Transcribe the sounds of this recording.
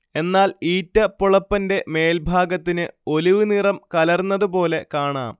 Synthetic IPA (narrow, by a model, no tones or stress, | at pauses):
e̞nːaːliːtːɐpːuɭɐpːɐnde̞me̞ːlbʱaːɡɐt̪ːinɨo̞liʋɨnirɐmkɐlɐrnːɐðup̬o̞ːle̞kaːɳa̰ːm